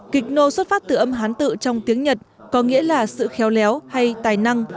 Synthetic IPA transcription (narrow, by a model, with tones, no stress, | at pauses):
kï˨˩k̚no˧swə˦˥t̚faː˦˥t̚t̪ɨ̰˧˩ʔə˧mɦaː˨˦nt̪ɨ̰˧˨t͡ɕɔ˧wŋ͡mt̪i˨˦əŋɲə˨˩t̚ | kɔ˨˦ŋḭ˧˥əlaː˨˩sɨ̰˧˨xɛ˨˦wlɛ˨˦wha˧jt̪aː˨˩jna˧ŋ